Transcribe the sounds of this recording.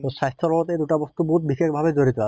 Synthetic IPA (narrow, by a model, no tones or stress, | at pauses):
t̪oʃajst̪ʰolɔot̪ed̪uʈabost̪uboɦut̪̚bikʰekbʱabed͡ʒoɾit̪oa